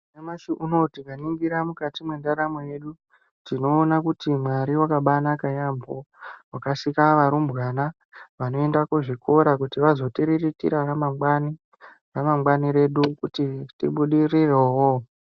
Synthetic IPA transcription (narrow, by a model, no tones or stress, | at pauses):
emaʃiʔuno̞tikaniŋɡiɾamukatimwe̞ndaɾamoje̞ɗu | tino̞ːnakutimwaɾiwakaɓanakajambowakasikaʋaɾumbɣana | ʋano̞e̞ndakuʐikʰo̞ɾakutiʋazo̞tiɾiritḭɾaramaani | ramamɡwaniɾe̞ɗukutitḭɓuɗirirewo